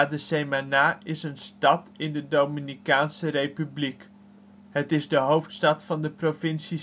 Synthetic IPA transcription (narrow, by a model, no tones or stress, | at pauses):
dəsejmanaːʔɪsənstɑtɪndədowminikaːnsərejpyblik | ɦətɪzdəɦowftstɑtfɑndəprovɪnsi